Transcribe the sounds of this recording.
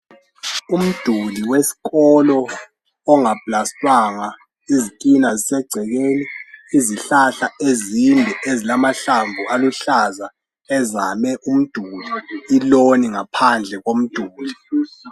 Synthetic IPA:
um̩d̥ʱuliwesi̥ɣɔlɔː | ŋab̥ʱlastʼwaŋa | izikʼinazisɛɡ͡ǀʱɛɣeːniːziɬaɬaezimbʱɛʔezilamaɬaɱvʱualuɬaza | ɛzamɛʔum̩d̥ʱuliːloniŋapʰand͡ɮʱɛɣom̩d̥ʱuːli

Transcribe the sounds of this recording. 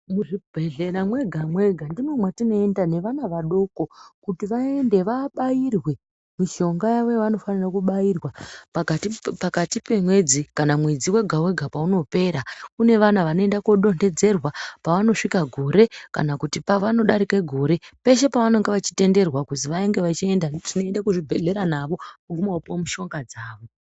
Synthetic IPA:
muʐibʱe̞ɮeɾamwe̞ɡʱamwe̞ɡʱandimwomwatino̞endane̞ʋanaʋaɗo̞ko̞kutiʋae̞nde̞ʋaɓajirwe̞ | miʃo̞ŋɡajaʋo̞jʋano̞fanirakuɓajirwa | pakatipe̞mwe̞d͡zikanamwe̞d͡ziwe̞ɡʱawe̞ɡʱapauno̞pe̞ːɾakune̞ʋanaʋano̞e̞ndakoɗo̞nde̞d͡ze̞rwapaʋano̞ʂikaɡʱoɾe̞ka̰nakutipaʋano̞ɗaɾikeɡʱo̞ɾe̞pe̞ʃ̬e̞paʋano̞ŋɡeʋat͡ʃi̥te̞nde̞rwakuziʋaeŋɡe̞ʋat͡ʃiendatino̞endakuʐibʱeɮe̞ɾanaʋo̞paɡʱumaopomuʃo̞ŋɡad͡zaːʋo̞

